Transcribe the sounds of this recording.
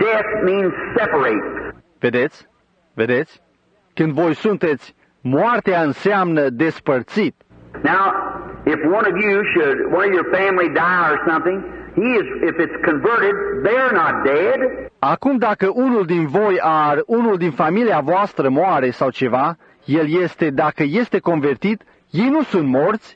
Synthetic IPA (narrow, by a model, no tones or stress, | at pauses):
d̥ɛθmĩnz̥sɛpə˞eɪt | ve̞d̪e̞t̪sʲ | ve̞d̪e̞t̪sʲ | kɨnd̪vo̞jsunt̪e̞t̪sʲ | moart̪eaɨnseamnəd̪e̞spərt̪sit̪̚ | naʊɪfwʌ̃nʌvjʉʃɨdwʌ̃nʌvjə˞fæ̃mlidaɪə˞sʌ̃mθɪ̃ŋhiɪzɪfɨtskʰɨ̃ɱvɜ˞ɾɪd̪̚ðeɪə˞nət̚d̥edakumd̪akəʔunuld̪invo̞jaɾunuld̪infamiliavoast̪ɾəmoaɾe̞sawt͡ʃe̞va | je̞lje̞st̪e̞d̪akəje̞st̪e̞ko̞nve̞rt̪it̪ | je̞jnusunt̪mo̞rt̪sʲ